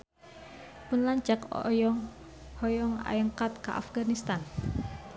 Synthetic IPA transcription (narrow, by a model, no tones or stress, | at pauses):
pʊnlaɲt͡ʃakɔ̰jɔŋ | hɔjɔŋa̰jəŋkat̪̚ka̰ʔa̰fɡanist̪an